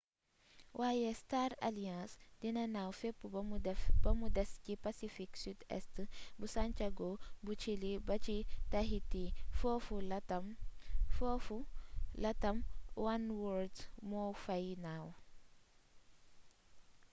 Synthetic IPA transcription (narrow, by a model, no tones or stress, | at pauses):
wʔaːjestaɾa̰liãːsdinɐnawfepːub̥ɐmudɛskipasifiksydɛ̰stbusant͡ʃaɡobut͡ʃilibɐt͡ʃitɐɦitifofumfofulɐtɐmwanwɔɾdmɔfɐjnaw